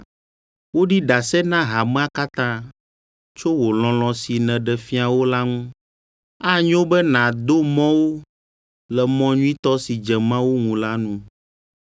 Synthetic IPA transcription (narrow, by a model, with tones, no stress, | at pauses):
wo˦ɖi˦ɖa˨sɛ˦nã˦ɦa˨mɛ̃˦a˦ka˦t̪ã˦ | t͡ʃo˦wo˨l̃ɔ̃˨l̃ɔ̃˨si˨nɛ̃˨ɖɛ˨fi˦a˨wo˦la˦ŋũ˦ | a˦ɲõ˦bɛ˦nã˨d̪o˦mɔ̃˦wo˦ | lɛ˨mɔ̃˦ɲũ˦ĩ˦t̪ɔ˦si˨d͡ʒɛ˨mã˦wo˦ŋũ˨la˦nũ˦